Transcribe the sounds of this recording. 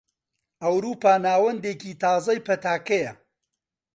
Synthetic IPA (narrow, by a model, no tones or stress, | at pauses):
ɐwɾuːpaːnaːwɐnd̪eːkiːt̪ʰɑːzɐjpɐt̪aːkɐjɐ